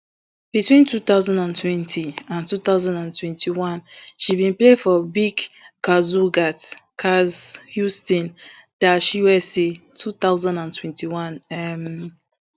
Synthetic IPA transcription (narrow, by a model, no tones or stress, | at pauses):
b̥itwĩntuθaʊzãndãntwɛ̃ntʰiãntuθaʊzãndãntʰwɛ̃ntʰiwãnʃibĩnplefɔbiɡkazuɡatkʰazhjustɔ̃n | d̥atʃiwɛse | tʰuθaʊzãndãntʰwɛ̃ntiwãnɛm